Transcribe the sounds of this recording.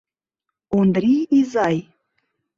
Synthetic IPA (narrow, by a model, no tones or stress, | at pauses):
ond̪ɾʲiizɑj